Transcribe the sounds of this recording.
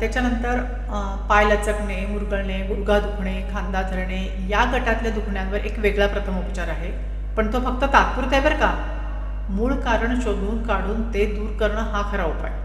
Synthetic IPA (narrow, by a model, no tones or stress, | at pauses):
t̪jat͡ɕjanənt̪əɾ | pajlət͡səkɳemuɾɡəɭɳeuɾɡad̪ukʰɳekʰãnd̪ad̪ʰʱəɾɳe | jaɡəʈat̪ljad̪ukʰɳjãʋəɾʔekʋeɡɭapɾət̪ʰəmupt͡ɕaɾaɦe | pəɳt̪ofək̚t̪ət̪at̪̚puɾt̪jaʋəɾka | muːɭkaɾəɳɕoɡuːnkaɽuːnt̪ed̪uːɾkəɾɳəɦakʰəɾaʋəpa̰j